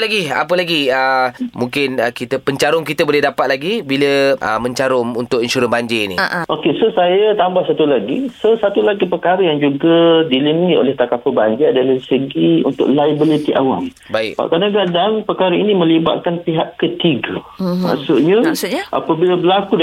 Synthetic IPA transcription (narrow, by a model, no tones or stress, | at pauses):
laɡia̰p̬əlaɡiəmũŋkɪnəkit̪əpəɲt͡ʃaɾʊŋkit̪əbolɛhdapat̪̚laɡibiləə̰mə̃ɲt͡ʃaɾʊŋunt̪ʊkinʃuɾənbaɲd͡ʒeinḭʔʔokesosajat̪ambahsat̪ulaɡisosat̪ulaɡipəkaɾəjaŋd͡ʒuɡadilimiʔo̰lɛht̪akafəbaɲd͡ʒeadalaɾisəɡiṵnt̪ʊ̰ʔlajbilit̪iʔa̰wa̰m | baɪ̰kba̰ʔkanaɡaʔdaŋpəkaɾainimə̃liba̰t̪̚kanpiɦaʔkət̪iɡə | ma̰ʔsʊʔɲəmsɲʔa̰pəbiləbəlaku